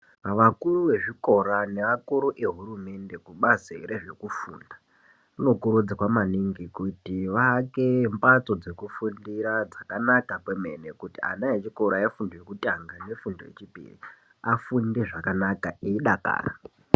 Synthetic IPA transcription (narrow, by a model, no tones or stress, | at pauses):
ʋakuruʋe̞ʐiko̞ɾane̞ʋakuɾuʔe̞ɦuɾume̞nde̞kuɓazḛɾeʐe̞kufṵːnda | uno̞kuɾud͡zakwamaniŋɡikutiʋakempat͡so̞d͡ze̞kufundiɾad͡zakanakakweme̞̰nekutia̰naet͡ʃiko̞ɾaifundojekutʼaŋɡane̞fundo̰jḛt͡ʃipḭrḭ | afunde̞ʐakanakaeiɗaka̰ːra